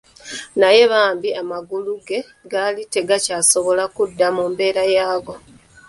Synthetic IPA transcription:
naje̞βaːmbiamaɡuluɡe̞ | ɡalite̞ɡacaso̞βo̞lakudːamuːmbe̞ːɾajaːɡo̞

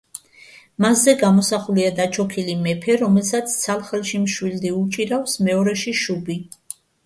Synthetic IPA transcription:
maszɛɡamɔsaχuliad̪at͡ʃʰɔkʰilimɛpʰɛɾɔmɛlsat̪sʰt̪sʰalˠχɛlʃimʃwild̪iut͡ʃʼiɾafsmɛɔɾɛʃiʃubi

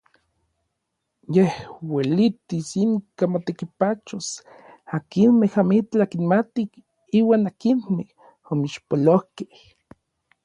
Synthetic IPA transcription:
jehwelit̪isiŋkamot̪ekipat͡ʃos | akinmehamit͡ɬakinmat̪ik | iːwaːnakinmeh | omiʃpolohkeh

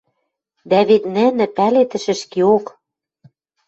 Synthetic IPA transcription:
d̪æβet̪nɘ̆nɘ̆pælet̪ɘ̆ʃɘ̆ʃkeok

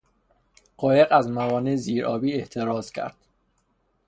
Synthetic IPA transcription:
ɢ̥ɒːje̞ɣæzmævɒːneziːɾʔɒ̰ːbiːeht̪ʰe̞ɾɒːz̥cʰæ̰ɾd̪̥

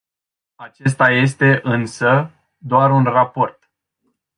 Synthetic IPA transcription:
at͡ʃe̞s̬t̪aje̞s̬t̪e̞ʔɨnsə | d̪oaɾunrapo̞rt̪

